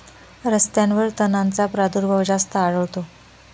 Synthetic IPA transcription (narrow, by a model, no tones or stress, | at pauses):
ɾəst̪jãnʋəɾt̪ənant͡sapɾad̪uɾbʱəwd͡ʑast̪əaɭəʋt̪o